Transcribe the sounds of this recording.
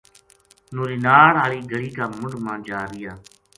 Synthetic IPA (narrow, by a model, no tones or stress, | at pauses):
nuːɾiːnaːɾaːliːɡəɽiːkaːmʊɳmãːd͡ʒaːɾɪjaː